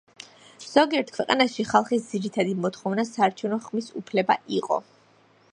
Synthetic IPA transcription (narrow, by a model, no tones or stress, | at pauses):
z̥ɔɡiɛɾt̪ʰkʰwɛqʼa̰naʃiχalˠχisd̪ziɾit̪ʰad̪imɔt̪χɔvnasaːɾt͡ʃʰɛvnɔχmisṵpʰlɛbaʔiqʼɔ̰